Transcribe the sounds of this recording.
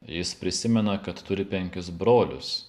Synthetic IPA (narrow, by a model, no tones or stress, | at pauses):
jɪspʲɾʲɪsʲɪmʲɛnɐkɐt̪t̪ʊɾʲɪpʲɛŋʲkʲʊsbɾoːlʲʊ̰s